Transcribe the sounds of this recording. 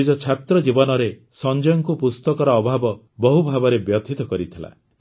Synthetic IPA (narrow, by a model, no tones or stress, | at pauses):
id͡ʒɔt͡ʃʰat̪ɾɔd͡ʒibɔnɔɾe | sɔnd͡ʒɔjɔŋkupust̪ɔkɔɾɔːbʱabɔ | bɔɦubʱabɔɾebjɔt̪ʰit̪ɔkɔɾit̪ʰila̰